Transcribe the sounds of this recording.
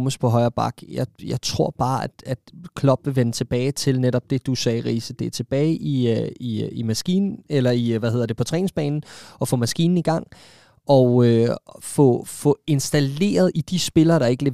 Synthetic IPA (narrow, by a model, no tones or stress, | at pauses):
məspʰɒ̽ɦɒ̽ɪɐːb̥ɑ̈ɡ̥jɑ̈ɪjɑ̈ɪt͡sʰʁo̝ɐ̰b̥ɑ̈ːæd̥æd̥kʰlɒ̽b̥ʋe̝ʋenət͡sʰe̝b̥ɛːɪt͡sʰe̝lneɾ̥ɒ̽b̥̚d̥e̝d̥usɛːʁḭːsəd̥e̝æɐt͡sʰe̝b̥ɛːɪʔiiimæsɡ̥ḭːnn̩elɐiʋæhe̝ð̰ˠɐd̥epʰɒ̽t͡sʰʁɛ̰ːnŋsb̥ɛ̰ːnn̩ɒ̽fɔ̽mæsɡ̥ḭːn̩iɡ̥ɑ̈ŋ̰ | ʔɒ̽øfɔ̽fɔ̽e̝nsd̥æle̝̰ːɐð̞̩ˠid̥isb̥e̝lɐːɾ̥ɑ̈e̝ɡ̥əle